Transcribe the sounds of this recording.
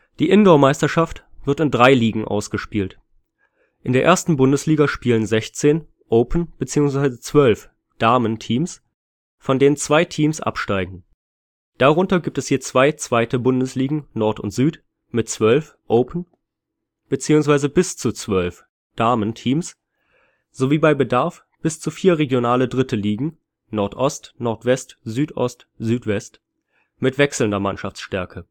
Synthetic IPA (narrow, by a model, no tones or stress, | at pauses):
d̥iːʔɪndɔɐmaɪstɐʃaft | v̥ɪʁtɪndʁaɪliːɡŋ̩ʔa̰ʊsɡ̥əʃpiːlt | ʔɪndeːɐʔeːɐstn̩bʊndəsliːɡɐʃpiːlənzɛçt͡seːn | ʔoʊpʰən̩b̥ət͡siːʊŋsv̥aɪzət͡sv̥œlf | d̥aɐməntʰiːms | fɔndeːnənt͡sv̥aɪtʰiːmsʔa̰pʃtaɪɡŋ̩ | d̥aʁʊntɐɡiːp̚tɛshiːɐt͡sv̥aɪt͡sv̥aɪtəbʊndəsliːɡŋ̩nɔɐtʊ̰ntz̥yːt | mɪtt͡sv̥œlf | ʔoʊpʰən̩ | b̥ət͡siːʊŋs̬v̥aɪzəbɪst͡sut͡sv̥œlf | d̥aɐməntʰiːms | z̥oviːbaɪbədaɐf | b̥ɪst͡sufiːɐʁeɡjonaːlədʁɪtəliːɡŋ̩ | nɔɐtʔɔstnɔɐtv̥ɛstzyːtʔɔst | z̥yːtv̥ɛst | mɪtv̥ɛksl̩ndɐmanʃaft͡sʃtɛɐkʰə